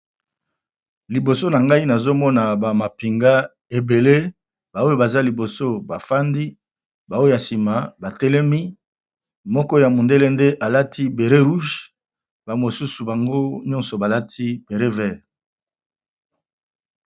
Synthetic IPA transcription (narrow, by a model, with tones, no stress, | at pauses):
li˨bo˨so˦na˨ŋɡa˦i˦na˨zo˦mɔ˦na˨ba˨ma˨pi˨ŋɡa˦ | e˨be˨le˦ | ba˨o˦jo˨ba˨za˦li˨bo˨so˦ba˨fa˦ndi˦ | ba˨o˦o˦ja˨si˨ma˨ba˨tɛ˦lɛ˦mi˦ | mɔ˦kɔ˦ja˨mo˨nde˦le˦nde˦ʔa˨la˦tʰi˦be˨ʁe˦ʁu˦ʃ | ba˨mo˨su˦su˨ba˨ŋɡo˦ɲɔ˦nsɔ˨ba˨la˦tʰi˦be˨ʁe˦vɛ˦˨